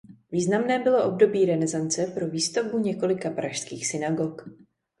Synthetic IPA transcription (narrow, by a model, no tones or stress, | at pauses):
viːznamnɛːbɪlo̞ʔo̞bdo̞biːɾɛnɛzant͡sɛpɾo̞viːst̪ovbuɲɛko̞lɪkapɾaʃskiːxsɪnaɡok